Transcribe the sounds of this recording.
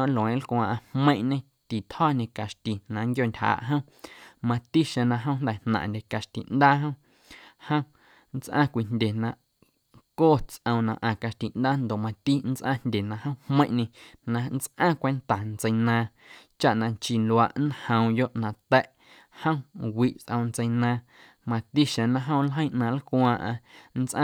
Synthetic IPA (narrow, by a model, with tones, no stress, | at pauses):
ʔlõ˨ẽ˨˦lkʷã˧ʔã˧hmə̃˦ʔɲẽ˧ | t̪i˨t̪hɔː˦˨nẽ˧ka˨ʃt̪i˨nã˨ŋkjo˦˨ntʲha̰ː˨ʔɦə̃˦ | mã˧t̪i˦ʃẽ˧nã˧ɦə̃˦nd̪ɛ˨nnã̰˨ʔnd̪ʲe˨ka˨ʃt̪ḭ˨nd̪aː˦ɦə̃˦ | hə̃˦ | n˦t͡sʔã̰˦˨kʷi˧ndʲe˨nã˧˨ʔ | koː˦˨t͡sʔə̃˧w̃nã˧ʔã˨ka˧ʃt̪i˨ʔnd̪aː˦nd̪o˨mã˧t̪i˦n˦t͡sʔã˦n̥dʲe˨nã˧hə̃˦hmə̃˦ʔɲẽ˧nã˧n˦t͡sʔãː˦kʷe˧nt̪a˨nt͡sə˧jnãː˧˨ | t͡ʃa˦ʔnã˧t͡ʃi˧lwa˧ʔnhə̃˧w̃jo˦ʔnã˨t̪ɛ˦ʔ | hə̃˦wi˧˨ʔt͡sʔə̃˧w̃nt͡se˧jnãː˧ | mã˧t̪i˦ʃẽ˧nã˧ɦə̃˦w̃lɦə̃˦˧ʔnã˧˨lkʷãː˧ʔã̰˧n˦t͡sʔã̰˦